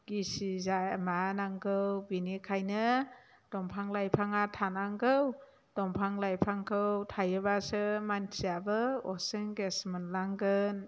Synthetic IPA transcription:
ɡ̥isizajmanaŋɡɯwbinikʰajnɯ | d̥ɔmpʰaŋlajpʰaŋatʰanaŋɡʰɯw | d̥ɔmpʰaŋlajpʰaŋkʰɯwtʰajɯbasɯmansʰiabɯɔsɯŋɡesmɯnlaŋɡɯn

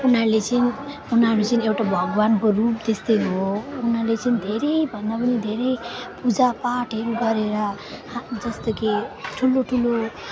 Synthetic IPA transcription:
unaɾlet͡sʌn | unaɾut͡sʌniewʈabʱʌɡwanbʌrup̚d̪est̪ʌjnɦounaɾlet͡sʌnid̪ʱeɾʌjbʱʌnd̪apʌnid̪ʱeɾʌjpud͡zapaʈʰɦeɾuɡʌɾeɾʌ | d͡zʌst̪ʌkiʈʰuloʈʰulo

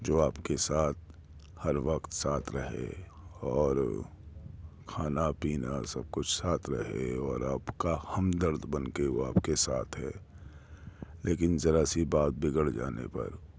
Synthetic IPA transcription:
d͡ʒoːaːpkesaːt̪̚ʰ | hɐɾʋəkt̪saːt̪ʰɾɐɦḛ | ɔːɾ | kʰaːnapiːna̰sɐb̚kʊt͡ʃʰsaːt̪ʰɾɐ̰ɦḛɔːɾaːpkahɐmd̪əɾd̪ʱbɐnkeʋo̰a̰ːpkesaːt̪ʰɦɛː | leːkɪnzɐɾasibaːt̪̚bɪɡəɽd͡ʒa̰ːnḛpɐ̰ɾ

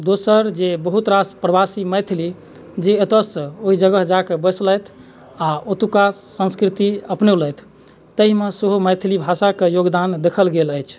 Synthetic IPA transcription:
d̪osəɾd͡ʒebəɦut̪ɾaspɾəbasiməjt̪ʰli | d͡ʒeət̪əsə̃oɦid͡ʒəɡəɦd͡ʒakebəsləjt̪ʰ | aot̪ukasə̃nskɾit̪iəpneuləjt̪ʰ | t̪ːəɦimesəɦoməjt̪ʰlibʱasakejoɡd̪and̪ekʰəlɡeləjt͡ʃʰ

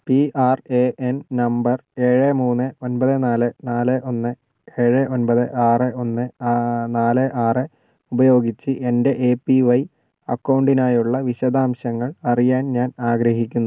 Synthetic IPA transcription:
piʔaːre̞ʔennɐmbɐre̞ːɻemuːnːɨo̞nbɐðɨnaːlɨnaːlɨʔo̞nːɨ | e̞ːɻeʔo̞nbɐðɨʔaːrɨʔo̞nːɨnaːlɨʔaːrɨ | ubɐjo̞ːɡit͡ɕːɨʔe̞nde̞ʔeːpːiʋɐj | ɐkːɐwɳɖinaːjuɭːɐʋiɕɐd̪aːmɕɐŋːɐɭɐrijaːnɲaːnaːɡɾɐɦikʲːunːu

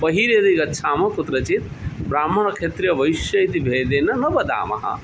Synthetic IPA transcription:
pɐɦiɾeɾijɡɐtːsʰamɐkut̪ɾɐt͡ʃit̪ | bɾamːɐnɐkʰet̪ɾijɐbɐisjɐjt̪ibʱed̪enɐnɐbɐd̪a̰ːmɐ̰ɦɐ̰̃

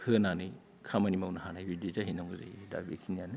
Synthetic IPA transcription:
hɯnanɯj | kʰamanimawnaɦanajbidizaɦinaŋuza̰jda̰bḛkʰinijanɯ

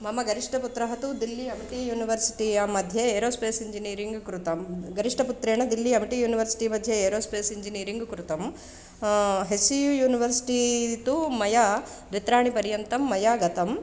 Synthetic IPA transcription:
mɐmɐɡɐɾiʂʈʰɐput̪ɾɐɦɐt̪ud̪ilːiɐmiʈijuːniʋɐɾsi̥ʈijaːmɐd̪ʱjɐeːɾoːspeːsiɲd͡ʒiniːɾiŋɡkɾut̪ɐmɡɐɾiʂʈʰɐput̪ɾeːɳɐd̪ilːiɐmiʈijuːniʋɐɾsi̥ʈimɐd̪ʱjɐeːɾoːspeːsiɲd͡ʒiniːɾiŋɡkɾut̪ɐm | ɦesujujuːniʋɐɾsi̥ʈit̪umɐjaː | d̪ʋit̪ɾaːɳipɐɾjɐnt̪ɐmːɐjaːɡɐt̪ɐm

